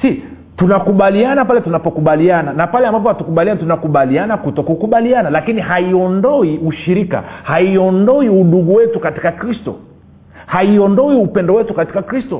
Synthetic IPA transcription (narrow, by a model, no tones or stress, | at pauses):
si | tunakuɓalianapalɛtunapɔkuɓaliananapalɛambap̬ɔhatukuɓalianitunakuɓalianakutɔkukuɓalianalakinihaiɔndɔiuʃiɾika̰haiɔndɔiuɗuɡuwɛtukati̥kakɾistɔ̰ | haiɔndɔiupɛndɔwɛtukati̥kakɾistɔ